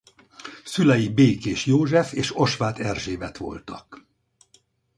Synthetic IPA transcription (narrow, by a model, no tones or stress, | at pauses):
sylɛjibeːkeːʃjoːʒɛfeːʃo̞ʃʋaːt̪ɛrʒeːbɛt̪ʋo̞̰lt̪ɒk